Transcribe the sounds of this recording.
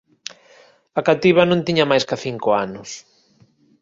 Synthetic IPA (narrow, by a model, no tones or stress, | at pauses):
ɐkat̪iβɐnõnt̪iɲɐmajskaθiŋkoanʊs